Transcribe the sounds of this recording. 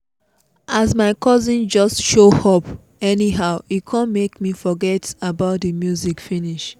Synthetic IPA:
azmaɪkʰɔzĩnd͡ʒɔstʃohɔp | ɛniɦaʊikʰãnmekmifɔɡɛtabaʊtdəmjuzikfiniʃ

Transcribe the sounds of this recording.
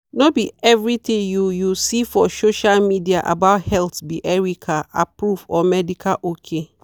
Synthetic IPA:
nobiɛvɹitẽjujusifɔsoʃalmidiaʔa̰baʊthɛltbiʔɛɹikʰaa̰pɹufɔmɛdikʰalʔokʰe

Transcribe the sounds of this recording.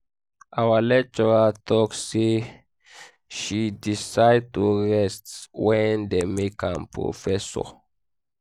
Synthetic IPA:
ʔawalɛk̚t͡ʃɔɹatʰɔksːe | ʃidisaɪd̚tuɹɛstwɛ̃ndemekʰãmpʰɹo̰fɛsɔ̰

